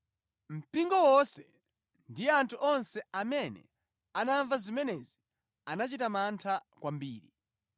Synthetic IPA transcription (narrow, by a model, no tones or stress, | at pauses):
m̩piŋɡɔwɔsɛ | ndijɛantʰuʔɔnsɛamɛnɛ̰ | anaɱvazimɛnɛzi | anat͡ʃitamantʰakwambiːɾi